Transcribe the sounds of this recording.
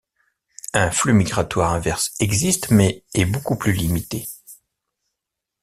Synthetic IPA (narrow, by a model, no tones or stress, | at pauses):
ɛ̃flymiɡʁat̪waʁɛ̃vɛʁsɛɡzist̪mɛːbokuplylimit̪e